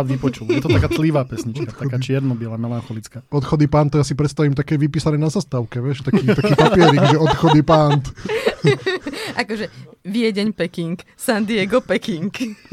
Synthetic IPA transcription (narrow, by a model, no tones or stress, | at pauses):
ʋipɔt͡ʃuljɛt̪ɔt̪akaːt̪liʋaːpɛsɲit͡ʃkat̪akaːt͡ʃɪɛɾnɔbɪɛlaːmɛlanxɔlit͡skaːɔt̪xɔd̪ipant̪ːɔjas̬ipɾɛt̪st̪aʋimt̪akɛːʋipiːsanɛːnazast̪aʊkɛʋɪɛʃt̪akiːt̪akiːpapɪɛɾikʒɛɔt̪xɔd̪ipant̪ | ʔakɔʒɛʋɪɛɟɛɲpɛkiŋk | sand̪ɪɛɡɔpɛkiŋk